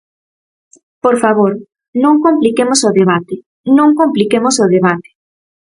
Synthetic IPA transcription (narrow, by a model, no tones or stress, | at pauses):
poɾfaβ̞oɾ | nõŋkomplikemosoðeβat̪e | nõŋkõmplikemosoðeβat̪e̥